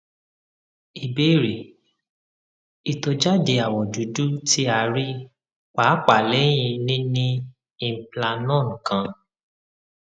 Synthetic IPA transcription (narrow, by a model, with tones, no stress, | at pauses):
i˨be˦˨ɾi˨ | i˨to˧d͡ʒa˦de˧a˨wɔ˨du˨˦du˦tʰi˦a˧ɾi˦ | k͡pa˨˦k͡pa˨lɛ˨˦j̃ĩ˧nĩ˦nĩ˦ | ĩ˧m̩˨pla˧nɔ̃˦˨ŋ̩̃˨kã˧